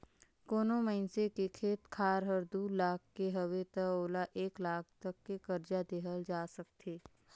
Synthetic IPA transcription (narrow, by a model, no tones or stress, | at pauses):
koːnoməɪnsekekʰeːt̪kʰaːɾɦəɾd̪uːlaːkʰkeɦəʋet̪əoːlaʔeːklaːkʰt̪ɐkːekɐɾd͡ʒad̪eːɦəld͡ʒaːsɐk̚t̪ʰeː